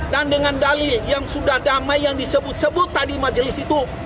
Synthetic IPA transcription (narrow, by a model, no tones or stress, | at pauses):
dandəŋandalɪljaŋsudahdamajːaŋdisəbʊt̪̚səbʊt̪ːadimad͡ʒəlɪsit̪u